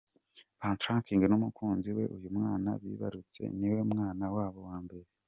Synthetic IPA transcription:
paːntɾãŋkiːŋɡenumukʰuːnziwe̞ʔujumŋaːna̰βḭːβa̰ɾut͡se̞̰niwemŋaːnawaːβo̞waːmbe̞ɾe

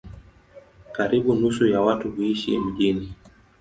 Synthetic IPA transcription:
kaɾiɓunusujawatuhuiʃḭm̩ʄini

